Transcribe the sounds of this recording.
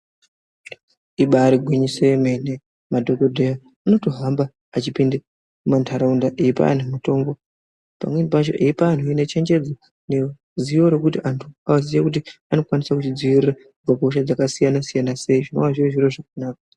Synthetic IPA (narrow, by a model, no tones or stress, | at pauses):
iɓaːɾiɡʱwiɲiseme̞ne | madʱo̞kodʱeja | ano̞to̞ɦambaː | t͡ʃipinde | umantʰaɾaundaʔeipa̰ːn̤umuto̞mbo̞ | pa̰mwenipat͡ʃo̞̰ʔeipaːn̤tʰuinet͡ʃe̞ɲd͡ʒe̞d͡zo | ne | zijo̞ɾekutiantʰuaazijakut̬iano̞kwanisakut͡ʃid͡zwiʋirira | b͡vakoʃ̬ad͡zakasijanasijanase̞iʐino̞̰waʐieʐiroʐak̚anaːka